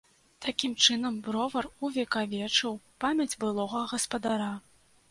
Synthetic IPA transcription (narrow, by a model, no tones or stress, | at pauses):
t̪akʲimt͡ʂɨnɐmbɾɔvɐruvʲɛkavʲɛt͡ʂɨwpamʲɐd͡zʲbɨlˠɔɣɐɣɐspɐd̪aɾa